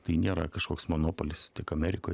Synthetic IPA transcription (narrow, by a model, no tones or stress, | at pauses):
t̪ɐɪnʲeːɾɐ̰kɐʃkoːksmonoːpolʲɪst̪ʲɪkɐmʲɛːɾʲɪkoː